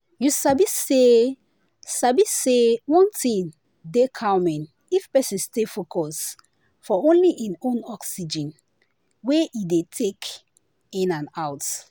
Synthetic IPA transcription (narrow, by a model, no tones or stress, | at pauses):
jusabie | sabissewɔ̃ntĩŋ | dekʰaʊmɛ̃n | ifpɛsĩnstefokʰɔs | fɔõnliʔĩnõnɔksid͡ʒɛ̃n | weʔidetʰek | ĩnãnawt